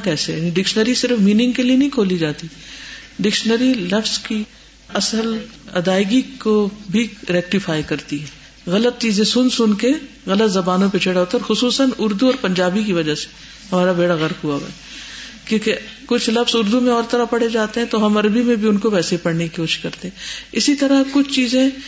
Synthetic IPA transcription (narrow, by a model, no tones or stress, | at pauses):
kɛːseniɖɪkʃnəɾisɪɾfmiːnɪ̃ŋɡ̚kelienɐɦĩkʰoːlid͡ʒaːt̪iɖɪkʃnəɾilɐfzki | ɐsəlɐ̰d̪aːɪɡikobʱiɾɛːk̚ʈɪfaːjkɐɾt̪iɦɛː | ɣɐlət̪̚t͡ʃiːzẽsʊnsʊnke | ɣɐlət̪zɐbaːnõpet͡ʃʰeɽaɦoːt̪aɾxʊsuːsənʊɾd̪uɔːɾpɐ̃ɲd͡ʒaːbikiʋɐd͡ʒase̥ | hɐmaːɾabeːɽaɣɐɾpɦuabɛ̰ː | kjõːkekʊt͡ʃʰlɐfzʊɾd̪ũmẽɔːɾt̪ɐɾapɐɽ̤ed͡ʒaːt̪eɦɛ̃t̪oɦɐmɐɾbimẽbʱiʊnkoʋɛːsepɐɽnekiʊʃkɐɾt̪eɦɛ̃ɪsit̪ɐɾakʊt͡ʃʰt͡ʃiːzẽ